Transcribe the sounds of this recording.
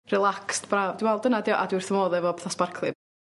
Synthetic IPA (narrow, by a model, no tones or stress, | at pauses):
rɛlˠakstb̥raːvd̥imwɛlˠdənadɪɔʔadwɪrθəmɔːðɛvɔbɛθasparkʰlˠɨ